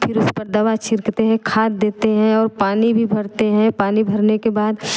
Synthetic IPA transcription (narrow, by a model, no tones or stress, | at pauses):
pʰɪɾʊspɐɾd̪ɐʋat͡ʃɪɾkt̪eɦɛ̃kʰaːt̪̚d̪eːt̪eɦɛ̃ɔːɾpaːnibʱibʱɐɾt̪eɦɛ̃paːnibʱɐɾnekebaːd̪